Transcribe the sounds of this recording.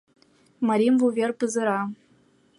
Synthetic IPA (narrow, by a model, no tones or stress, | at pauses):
maɾʲimvuvʲerpɯzɤ̆ɾɑ